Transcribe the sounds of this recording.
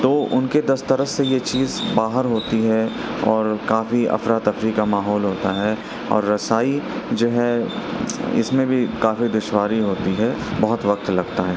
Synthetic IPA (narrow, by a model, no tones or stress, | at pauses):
t̪oːʔʊnked̪ɐst̪ɐɾəsejet͡ʃiːzbaːɦəɾɦoːt̪iɦɛɔːɾkaːfiɐ̰fɾaːt̪ɐfɾikamaːɦɔːlɦoːt̪aɦɛ | ɔ̰ːɾːɐsaːid͡ʒoːɦɛ | ɪ̰smẽbʱikaːfid̪ʊʃwaːɾiɦoːt̪iɦɛbɐɦʊt̪ʋɐk̚t̪lɐɡt̪aɦɛː